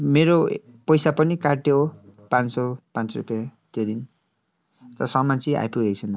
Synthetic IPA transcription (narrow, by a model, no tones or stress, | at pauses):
meɾo | pʌjsapʌnikaʈjopãnsopãnt͡srṵpjat̪ed̪in | t̪ʌsʌmant͡sia̰jpuɦekt͡sʰʌna